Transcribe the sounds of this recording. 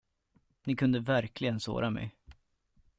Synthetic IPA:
nɪkʰɵnd̪əvæɾklɪɡənso̰ːɾamɛ̰j

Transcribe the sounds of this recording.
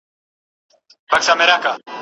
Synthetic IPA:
bɐksameɾaːka

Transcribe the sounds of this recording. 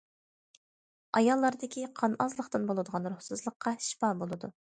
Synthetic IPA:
ɑjɑlˠːɑɾd̪ɪkʲʰiqʰɑnɑzlˠəχt̪ɨnbolˠɨd̪əʁɑnɾuhsɨzlˠəqʰːɑʃi̥pɑːbolˠɨd̪u

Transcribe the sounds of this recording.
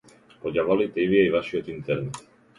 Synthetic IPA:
oʎaβalit̪eiβiaiβasiot̪int̪eɾnet̪

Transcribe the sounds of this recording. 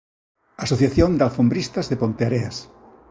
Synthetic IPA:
asoθjaθjõnd̪alfombɾist̪azðepont̪eaɾeas

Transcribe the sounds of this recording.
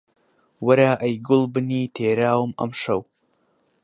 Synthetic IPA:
wɐɾaʔɐjɡʊlˠbɨniːtʰeːɾaːwmɐ̰mʂɐw

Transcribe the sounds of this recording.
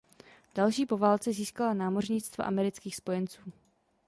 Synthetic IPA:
d̥alʃiːpo̞vaːlt͡sɛziːskalanaːmo̞rɲɪt͡st̪va̰ʔamɛɾɪt͡skiːxspo̞jɛnt͡suː

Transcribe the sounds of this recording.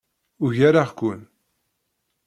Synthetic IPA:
ʊʝaɾaʁkʷːʊn

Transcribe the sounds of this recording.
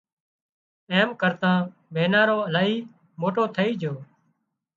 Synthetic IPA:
eːmkəɾt̪ãː | beːnãːɾoːəlaːiː | moːʈoːt̪ʰəiːd͡ʒʱoː

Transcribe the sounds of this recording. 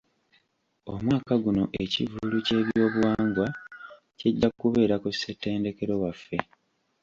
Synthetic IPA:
omwaːkaɡuno̞̰ʔe̞civuluce̞ːβjo̞ːβwaːŋɡwa | ceɟːakuβe̞ːɾakusetːe̞ːnde̞ke̞ɾo̞wafːe̞

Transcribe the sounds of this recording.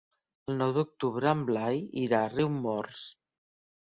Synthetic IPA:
əlˠnɔwd̪uk̚t̪uβɾəəmblajiɾariwmɔrs

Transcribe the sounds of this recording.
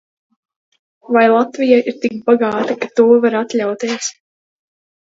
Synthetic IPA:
vajlˠat̪vijajiɾt̪ikbaɡaːt̪akat̪uːvaɾat̪lʲawt̪eːs

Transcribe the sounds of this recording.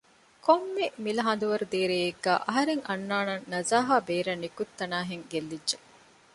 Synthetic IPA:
kʰomːemilɐɦɐnd̪uʋɐɾud̪eːɾeːeɡːæ̰ːʔɐɦɐɾeŋɐnːaːnɐnːɐzaːɦaːbeːɾɐnːikut̪ːɐnaːɦeŋɡelːidːʒe

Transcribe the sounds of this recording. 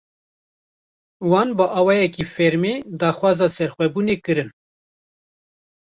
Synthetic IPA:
wɑːnbɨʔɑːwɑːjɛkifɛɾmeːd̪ɑːxwɑːzɑːsɛɾxʷwɛbuːneːkɨɾɨn

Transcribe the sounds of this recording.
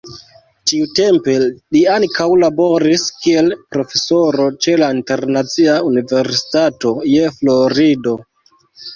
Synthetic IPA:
tiute̞mpe̞liaŋkawlabo̞ɾiskie̞lpɾo̞fe̞so̞ɾo̞t͡ʃe̞lainte̞ɾnat͡siaunive̞ɾsi̥tato̞je̞flo̞ɾido̞

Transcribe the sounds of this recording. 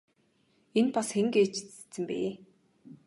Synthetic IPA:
enpasxeŋɡeːt͡ɕi̥t͡sɘ̥t͡sɘ̆mpḛː

